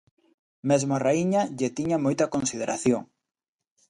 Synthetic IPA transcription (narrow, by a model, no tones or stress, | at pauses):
mezmʊaraiɲɐʎet̪iɲɐmojt̪ɐkonsið̞eɾʔaθjoŋ